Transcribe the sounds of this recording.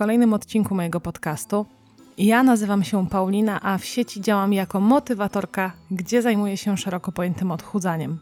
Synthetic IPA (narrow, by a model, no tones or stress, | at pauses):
kɔlɛjnɘmɔt̪t͡ɕiŋkumɔjɛɡɔpɔt̪kast̪u | janazɘvamɕɛpawlʲinaʔafɕet͡ɕid͡ʑawamjakɔmɔt̪ɘvat̪ɔɾkaɡd͡ʑɛzajmujɛɕɛʂɛɾɔkɔpɔjɛnt̪ɘmɔt̪xud̪zaɲɛm